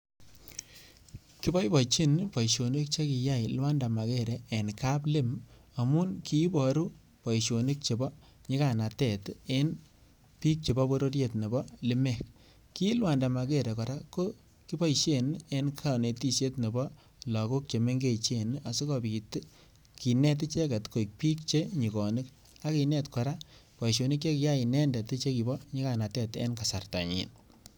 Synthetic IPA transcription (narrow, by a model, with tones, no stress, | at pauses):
ki˦bɔ˦jbɔ˨t͡ʃi˦npɔ˨jʃo˨ne˦k̚t͡ʃe˦ki˨ja˦˨jlwa˦nda˨ma˨ke˦˨ɾɛː˨nka˦ple˦m | a˨mʊ˦nki˦bɔ˨ɾu˦ | pɔ˨iʃo˨ni˦k̚t͡ʃe˨bɔ˦ | ɲe˦ka˨na˨tɛ˨te˦n | pi˦k̚t͡ʃe˨bɔ˦bo˦ɾo˦ɾje˨tne˨bɔ˦lɪ˦mɛ˨k̚ | ki˦lwa˨nda˨ma˨ke˦˨ɾe˨kɔ˨ɾa˦ko˦ | ki˦bɔ˦i˨ʃe˦˨ne˦nkʰa˨ne˨ti˦se˦tne˨bɔ˦ | lɔ˨ko˦k̚t͡ʃe˨me˦ŋɡe˦t͡ʃe˦na˨su˦kɔ˨bi˨t | ki˨nɛ˦t̬i˦t͡ʃe˦ka˨tko˨i˨k̚pi˦k̚t͡ʃe˦ɲi˨kɔ˨ni˦k | a˦ki˧nɛ˦tkɔ˨ɾa˦pɔ˨ʃ̬o˨ni˦k̬e˦ki˦ja˦i˨nɛ˦ndɛ˨ti˦t͡ʃe˦ki˨bɔ˦ɲi˦ka˨na˨tɛ˦tḛ˦nka˨sa̰˨rta̰˨ɲḭ˨n